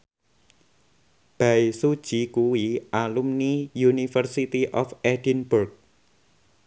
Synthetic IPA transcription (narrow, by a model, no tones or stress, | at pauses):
b̥aisud̥ʒ̥ikuwiʔalumnijunifərsit̪iʔɔfɛdinburk̚